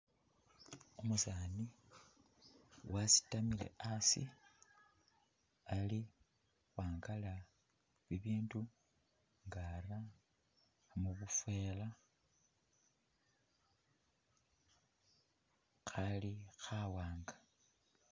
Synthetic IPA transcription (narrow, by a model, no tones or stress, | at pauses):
umusaːni | wasi̥tamile̞̰ʔasḭ | ali | xwaːŋɡala | βiβiːndu | ŋɡara | muβufwe̞ːla | xalixawaːŋɡḁ